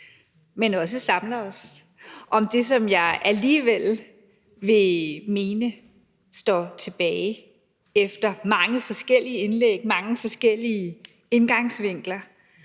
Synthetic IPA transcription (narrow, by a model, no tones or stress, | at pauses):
menɒ̽s̬əsɑ̈mlɐɒ̽s | ʔɒ̽md̥e̝sɒ̽mjɑ̈ɪʔæliːʋel | ʋe̝me̝ːnə | sd̥ɒ̰t͡sʰe̝b̥ɛːɪ | efd̥ɐmɑ̈ŋəfɒ̽sɡ̥el̰iəe̝nleɡ̥̚mɑ̈ŋəfɒ̽sɡ̥el̰iə | e̝nɡ̥ɑ̈ŋsʋe̝ŋ̰ɡ̥lɐ